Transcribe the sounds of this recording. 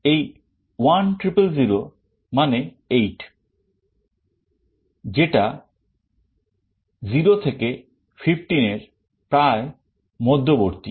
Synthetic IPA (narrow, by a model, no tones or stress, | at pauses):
ej | wanʈɾipelziɾo | mane | ejʈ | d͡ʑeʈa | ziɾot̪ʰeke | fʰifʰʈineɾ | pɾae | mɔd̪ʱːoboɾt̪i